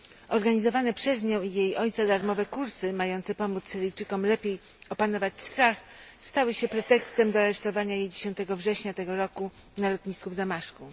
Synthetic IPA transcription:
ɔɾɡaɲizɔvanɛpʂɛzɲɔ̃w̃ijejɔjt̪sad̪aɾmɔvɛkuɾsɘmajɔnt̪sɛpɔmut̪ssɘɾɘjt͡ʂɘkɔmlɛpʲjej | ɔpanɔvat͡ɕst̪ɾaxst̪awɘɕɛpɾɛt̪ɛkst̪ɛmd̪ɔaɾɛʂt̪ɔvaɲajejd͡ʑeɕɔnt̪ɛɡɔvʐɛɕɲat̪ɛɡɔɾɔku | nalɔt̪ɲiskuvd̪amaʂku

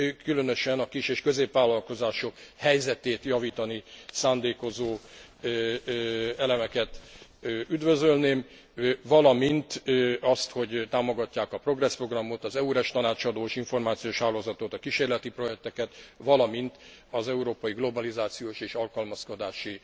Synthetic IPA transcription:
kylønøʃɛnɒkiʃeːʃkø̞zeːpʋaːlːɒlko̞zaːʃo̞khɛjzɛt̪eːt̪jɒviːt̪ɒnisaːnd̪eːko̞zoː | ɛlɛmɛkɛt̪ː | yd̪vø̞zølneːm | vɒlɒmint̪ɒst̪ho̞ɟt̪aːmo̞ɡɒcːaːkɒpro̞ɡrɛspro̞ɡrɒmot̪ɒzɛuɾɛʃt̪ɒnaːt͡ʃɒd̪oːeʃiɱfo̞rmaːt̪sioːʃhaːloːzɒt̪ot̪ɒkiʃeːrlɛt̪ipro̞jɛk̚t̪ɛkɛt̪ʋɒlɒmint̪ɒzɛuɾoːpɒjiɡlo̞bɒlizaːt̪sijoːʃeːʃɒlkɒlmɒsko̞d̪aːʃi

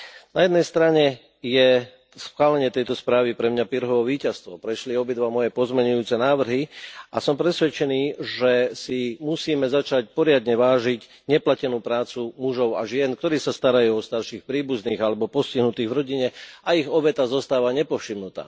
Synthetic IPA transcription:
najɛd̪nɛjst̪ɾaɲɛ | jɛ | sxʋaːlɛɲɪɛt̪ɛjt̪ɔspɾaːʋipɾɛmɲapiɾɦɔʋɔʋiːcast̪ʋɔpɾɛʃliɔbid̪ʋamɔjɛpɔzmɛɲujuːt͡sɛnaːʋr̩ɦiʔasɔmpɾɛsʋɛt͡ʃɛniːʒɛsimusiːmɛzat͡ʃac̚pɔɾɪad̪ɲɛʋaːʒiɟ | ɲɛplacɛnuːpɾaːt͡sumuʒɔʊa̰ʒɪɛnk̚t̪ɔɾiːsast̪aɾajuːɔst̪aɾʃiːxpɾiːbuzniːɣalɛbɔpɔsciɦnut̪iːɣʋɾɔɟiɲɛaiɣɔbɛt̪azɔst̪aːʋaɲɛpɔfʃimnut̪a̰ː

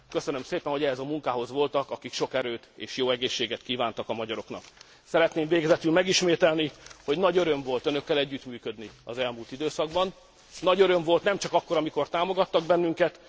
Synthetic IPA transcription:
kø̞sønø̞mseːpɛnho̞ɛɦɛzɒmuŋkaːɦo̞zʋo̞lt̪ɒkɒkikʃo̞kɛɾøːt̪ḛːʃjoːɛɡeːʃːeːɡɛt̪kiːvaːnt̪ɒkɒmɒɟɒɾo̞knɒ̰k | sɛɾɛt̪neːmveːɡɛzɛt̪ylmɛɡiʃmeːt̪ɛlniho̞ɟnɒɟø̞ɾøɱvo̞lt̪ønøkːɛlɛɟːyt̪myːkød̪niɒzɛlmuːlt̪id̪øːsɒɡbɒnː | ɒɟøɾøɱvo̞lt̪nɛmt͡ʃɒkɒkːo̞ɾɒmiko̞rt̪aːmo̞ɡɒt̪ːɒɡ̚bɛnːyŋkɛt̪

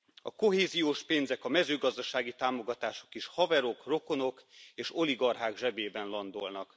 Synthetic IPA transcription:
ɒko̞ɦeːzijoːʃpeːnzɛkɒmɛzøːɡɒzd̪ɒʃaːɡit̪aːmoɡɒt̪aːʃo̞̥kiʃhɒvɛɾo̞kro̞ko̞no̞keːʃo̞liɡɒrɦaːɡʒɛbeːbɛnlɒnd̪olnɒk

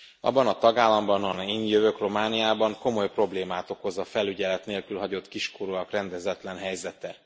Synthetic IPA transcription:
ɒ̰bːɒnɒt̪ɒɡaːlːɒmbɒnɒniːnjøvøkro̞maːnijaːbɒŋko̞mo̞jpro̞bleːmaːt̪o̞ko̞zɒfɛlyɟɛlɛt̪neːlkylɦɒɟo̞t̪kiʃkoɾoɒkrɛnd̪ɛzɛt̪lɛnɦɛjzɛt̪ɛ

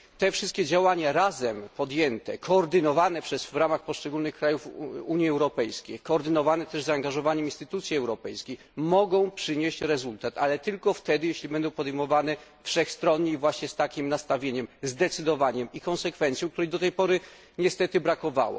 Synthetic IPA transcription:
t̪ɛfʂɘst̪̚kʲɛd͡ʑawaɲaɾazɛmpɔd̪jɛnt̪ɛkʰɔːɾd̪ɘnɔvanɛpʂɛsvɾamaxpɔʂt͡ʂɛɡulnɘxkɾajufuɲjiɛwɾɔpɛjskʲejkɔːɾd̪ɘnɔvanɛt̪ɛʐzaːŋɡaʐɔvaɲɛminst̪ɘ̥t̪ut̪sʲjiɛwɾɔpɛjskʲej | mɔɡɔ̃w̃pʂɘɲeɕt͡ɕɾɛzult̪at̪alɛt̪ɘlkɔft̪ɛd̪ɘjeɕlʲibɛnd̪ɔ̃w̃pɔd̪ɛjmɔvanɛfʂɛxst̪ɾɔnɲejvwaɕɲɛst̪akʲimnast̪avʲjeɲɛmzd̪ɛt̪sɘd̪ɔvaɲɛmikɔnsɛkfɛnt̪sʲjɔ̃w̃kt̪uɾɛjd̪ɔt̪ɛjpɔɾɘ | ɲɛst̪ɛt̪ɘbɾakɔva̰wɔ̰

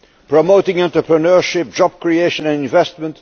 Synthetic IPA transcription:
pɹɔmoʊtɪ̃ŋɛ̃ntɹəpɹənɜɹʃɪp̚d͡ʒɑb̥̚kɹieɪʃə̃næ̃nɪ̃ɱvɛst̚mə̃nt

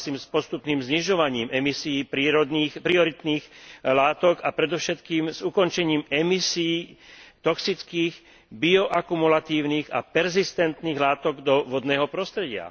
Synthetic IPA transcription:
siːmspɔst̪upniːmzɲiʒɔʋaɲiːmɛmisiiːpɾiːɾɔd̪niːxpɾiɔɾit̪niːxlaːt̪ɔkapɾɛd̪ɔʊʃɛt̪kiːmzukɔnt͡ʃɛɲiːmɛmisijːt̪ɔksit͡skiːɣ | biɔʔakumulat̪iːʊniːɣa̰pɛɾzist̪ɛnt̪niːɣlaːt̪ɔɡd̪ɔʋɔd̪nɛːɦɔpɾɔst̪ɾɛɟɪa̰

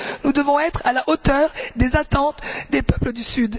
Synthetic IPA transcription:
nud̪əvɔ̃ɛt̪χalaʔot̪œʁd̪ezat̪ɑ̃t̪d̪epœpləd̪ysyd̪

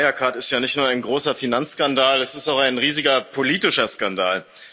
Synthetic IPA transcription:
ajakʰaːɐtɪstjaːnɪçtnuːɐaɪnɡʁoːsɐfinant͡sːskandaːlɛsɪstaʊxaɪnʁiːzɪɡɐpʰoliːtɪʃɐskandaːl

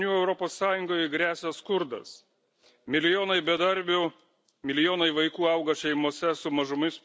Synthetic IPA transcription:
nʲuːɛʊɾɔpoːsːɑːjʊŋɡoːjɡɾʲæːsʲɛskʊɾd̪ɐ̰s | mʲɪlʲɪjoːnɐɪbʲɛd̪ɐɾʲbʲʊ | mʲɪlʲɪjoːnɐɪʋɐɪkuːɐʊɡɐʃʲɛɪmoːsʲɛsʊmɐʒʊmɪs

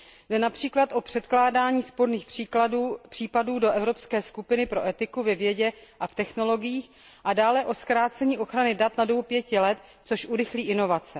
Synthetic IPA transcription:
dɛnapr̝̥iːklat̪ʔo̞pr̝̥ɛt̪klaːdaːɲiːspo̞ɾniːx | pr̥iːpaduːdo̞ʔɛvɾo̞pskɛːskupɪnɪpɾo̞ʔɛt̪ɪkuvɛvjɛɟɛʔaft̪ɛxno̞lo̞ɡɪjiːx | ʔadaːlɛʔo̞skɾaːt͡sɛɲiːʔo̞xɾanɪdat̪nadobupjɛcɪlɛt̪ | t͡soʃʔuɾɪxliːʔɪno̞vat͡sɛ

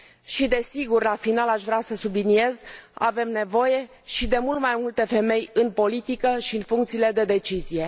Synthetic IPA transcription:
ʃid̪e̞siɡurlafinalaʃvɾeasəsublinie̞za̰ve̞mne̞vo̞je̞ | ʃid̪e̞mult̪majmult̪e̞fe̞me̞jɨnpo̞lit̪ikəʃiɨnfuŋkt̪siːle̞d̪e̞d̪e̞t͡ʃizije̞

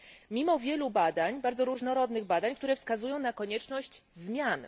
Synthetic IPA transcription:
mʲimɔvʲjɛlubad̪aɲbaɾd̪zɔɾuʐnɔɾɔd̪nɘɣbad̪aɲk̚t̪uɾɛfskazujɔ̃w̃nakɔɲɛt͡ʂnɔɕt͡ɕzmʲjan

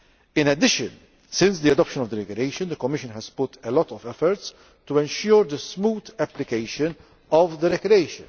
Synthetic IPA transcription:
ɪ̃nɛd̪ɪʃɨ̰̃n | sɪ̃nsd̪iɐd̪ɔpʃə̃nɔvd̪əɾɛkɾieɪʃə̃nd̪əkɔmːɪʃə̃nɦɛz̥pʊt̪ʰɛlɔt̪ɔvɛfɔɾt̪s | t̪uɛ̃nʃʊːɾd̪əsmuːd̪ɛplɪkeɪʃɨ̃n | ɔvd̪əɾɛkɾieɪʃɨ̰̃n

